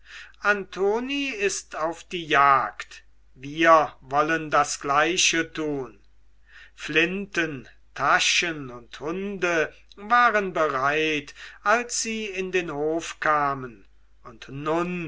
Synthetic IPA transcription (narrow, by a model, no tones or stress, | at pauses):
ʔantʰoːniɪstaʊfd̥iːjaːkt | viːɐvɔləndasɡ̥laɪʃətʰuːn | flɪntən | tʰaʃənʊnthʊndə | vaːʁənbəʁaɪtʔalsz̥iːɪndeːnhoːfkʰaːmən | ʊntnʊn